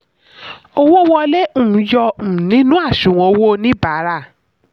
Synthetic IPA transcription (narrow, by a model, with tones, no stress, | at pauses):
o˧wo˦wɔ˧le˦ũ˨˦jɔ˧˨nĩ˨˦nũ˦a˦˨ʃũ˨w̃ɔ̃˧o˧wo˦nĩ˦baː˨˦ɾa˦˨